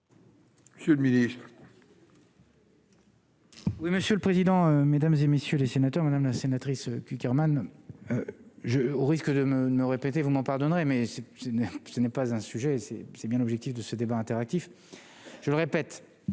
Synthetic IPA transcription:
məsjølminist̪χ | wiməsjøləpχezid̪ɑ̃ømed̪amzemesjølesenat̪œʁmad̪amlasenat̪χisøkʲykʲɛʁmanøʒəoʁiskəd̪əməməʁepet̪evumɑ̃paʁd̪ɔnʁemɛsɛsɛnɛsənɛpazɛ̃syʒɛsɛ̰sɛbjɛ̃lɔbʒɛk̚t̪ifd̪əsəd̪ebaɛ̃t̪eʁak̚t̪if | ʒ̥ələʁepɛt̪

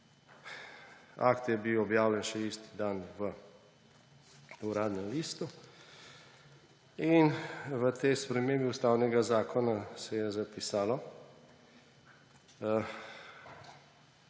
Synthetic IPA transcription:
a̰kt̪jɛbiwɔbjaːwlʲɛnʃɛist̪i̥d̪anʋə | uɾaːd̪nɛmlist̪u | inʋət̪ɛjspɾɛmeːmbiust̪aːwnɛɡazaːkʰɔnasɛjɛzapisaːlɔ

